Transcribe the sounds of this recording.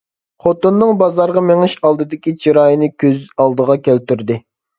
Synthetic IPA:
χot̪ɨnːɨŋbɑzɑɾʁɑmeŋɪʃɑlˠd̪ɨd̪ɪkʲit͡ʃʰiɾɑːjinɨkʲʰøzɑlˠd̪əʁɑkʲʰælt̪yɾd̪ɪ

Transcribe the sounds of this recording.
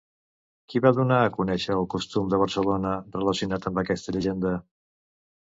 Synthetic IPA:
kiβaðunaəkunɛʃəːlˠkust̪umd̪əβ̞əɾsəlonərələsiunat̪əmbəkɛst̪əʎəʒend̪ə

